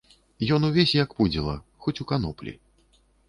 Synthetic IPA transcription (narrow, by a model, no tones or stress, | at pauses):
jɔnuvʲesʲjakpud͡zʲilˠɐxɔt͡sʲukanɔplʲḭ